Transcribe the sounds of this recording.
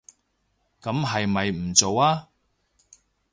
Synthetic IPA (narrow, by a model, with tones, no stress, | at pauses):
kɐ˨˥mɦɐ˨jmɐ˨jm̩˨˩t͡so˨waː˥